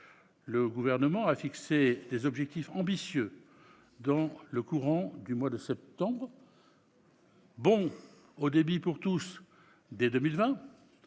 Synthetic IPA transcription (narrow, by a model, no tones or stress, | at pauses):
ləɡuvɛʁnəmɑ̃afiksed̪ezɔbʒɛk̚t̪ifɑ̃bisjø | d̪ɑ̃ləkuʁɑ̃d̪ymwad̪əsɛp̚t̪ɑ̃bʁ | bɔ̃ | od̪ebipuʁt̪us | d̪ed̪əmilvɛ̃